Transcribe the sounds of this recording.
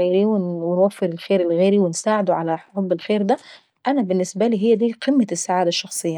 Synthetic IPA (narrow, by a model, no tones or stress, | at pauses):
eːɾiwewenwæfːeɾelxeːɾelɣeːɾiwensaːʕed̪oʕalæħħoːbɪlxeːɾd̪æ | ʔænæbɪnːɪsbæliːɦejːæd̪iːqʰemːæsːaʕaːd̪æʃːɑxsˤejːɑ